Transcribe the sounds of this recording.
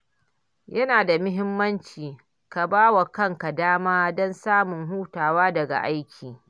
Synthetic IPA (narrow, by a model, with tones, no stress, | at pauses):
jɐ˦naː˨da˨mʊ˦ɦɪ˦mːɐ˦nt͡ʃiː˨ | ka˨baː˦wa˨kɐ˦˨ŋka˨daː˦maː˦dɔ˦nsaː˦mʊ˨ŋɦuː˦taː˨waː˦dɐ˨ɡa̰˨ʔa˦jkʲʰiː˨